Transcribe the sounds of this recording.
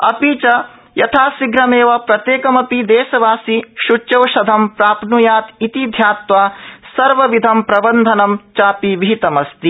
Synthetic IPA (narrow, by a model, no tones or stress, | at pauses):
ɐ̰piːt͡ʃɐ | jɐt̪ʰaːsiɡɾɐmeːʋɐpɾɐt̪jeːkɐmɐpid̪ɛːʃɐʋaːsiʃuɐʋʃɐd̪ʱɐmpɾaːpnujaːt̪it̪id̪ʱjaːt̪ʋaːsɐɾʋɐʋid̪ʱɐmpɾɐbɐnd̪ʱɐnɐmt͡ʃaːpiʋiɦit̪ɐmɐst̪i